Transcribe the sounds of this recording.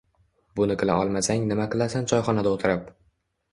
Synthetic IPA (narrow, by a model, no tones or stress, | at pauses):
bʊnɪqʰɨla̰ɒlˠmasaŋnɪmaqɨlˠasant͡ʃʰɒjχɒnad̪aot̪ʰɪɾɪp̚